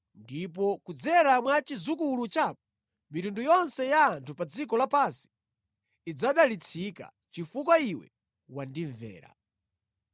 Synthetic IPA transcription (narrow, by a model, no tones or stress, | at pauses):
ndip̬ɔkud͡zɛɾamwat͡ʃizukulut͡ʃap̚ɔ | mitundujɔnsɛjaːntʰupad͡zik̬ɔlapansi̥ | id͡zaɗalit͡sʰika̰ | t͡ʃifukwaiwɛ̰ | wandiɱvɛ̰ːɾa̰